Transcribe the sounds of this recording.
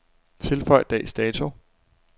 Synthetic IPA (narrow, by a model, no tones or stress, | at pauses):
t͡sʰe̝lfɒ̽ɪ̰d̥ɛsd̥ɛːt͡sʰu